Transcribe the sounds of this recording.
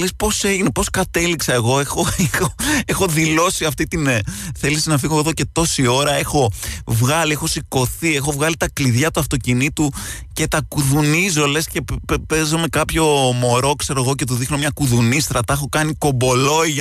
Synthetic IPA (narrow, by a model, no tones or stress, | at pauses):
le̞spo̞se̞ʝine̞po̞skɐt̪e̞liksɐe̞ɣo̞exo̞exoexo̞ðilo̞siɐft̪it̪inθe̞lisinɐfiɣoðo̞ce̞t̪o̞sio̞ɾɐe̞xo̞vɣɐliexo̞siko̞θie̞xo̞vɣɐlit̪ɐkliðʝɐt̪uɐft̪o̞cinit̪u | ce̞t̪ɐkuðunizo̞le̞sce̞pe̞zome̞kɐpço̞mo̞ɾo̞kse̞ɾoeɣoce̞t̪̬oðixno̞mɲɐkuðunist̪ɾɐt̪ɐexo̞kɐniko̞bo̞lo̞iʝ